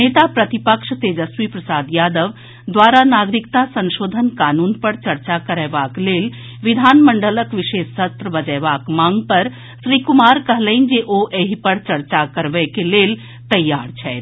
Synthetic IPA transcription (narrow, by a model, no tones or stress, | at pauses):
neːt̪apɾət̪ipəkʃt̪ed͡ʒəswipɾəsaːd̪jaːd̪əʋ | d̪ʋaːɾanaːɡɾɪkt̪asə̃nʃoːd̪ʱənkaːnuːnpəɾt͡ʃəɾt͡ʃakəɾɛːʋaːkleːl | ʋid̪ʱaːnməɳɖələkʋɪʃeːsːət̪ɾəbəd͡ʒɛːʋaːkmãːŋɡpəɾ | ʃɾiːkumaːɾkəɦləind͡ʒeʔoʔeɦipəɾt͡ʃɐɾt͡ʃakəɾʋɛkeleːl | t̪ɐjːaːɾt͡ʃʰɛːt̪